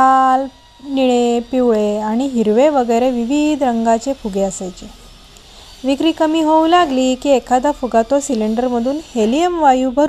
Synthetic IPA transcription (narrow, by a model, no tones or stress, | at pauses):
kal | niɭepiʋɭeaɽ̃iɦiɾʋeʋəɡəjɾeʋiʋid̪ʱɾəŋɡat͡ɕefuɡeəsajt͡ɕe | ʋikɾiːkəmiːɦoulaɡlikiːekʰad̪afuɡat̪osiliɳɖəɾməd̪ʱuːnhelijəmʋajubʱəɾ